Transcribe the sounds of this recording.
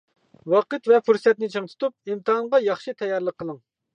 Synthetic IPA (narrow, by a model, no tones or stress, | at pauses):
wɑqɨt̪vɛfuɾsɛt̪̚nɪt͡ʃʰɨŋt̪ʰu̥t̪up̚imt̪ɨɦɑnʁɑjɑχʃit̪ʰɛjːɑɾlˠəqʰːəlˠəŋ